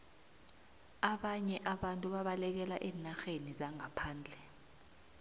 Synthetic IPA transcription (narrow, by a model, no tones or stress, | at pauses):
aɓaɲɛʔaɓantʼuɓaɓalɛk̬ɛlaʔɛːnaxenizaŋapʰaːnd͡ɮʱɛ